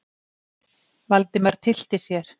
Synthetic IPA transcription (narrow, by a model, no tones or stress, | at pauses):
valt̪ɪmaɾ̥t̪ʰɪl̥t̪ɪsjɛɾ̥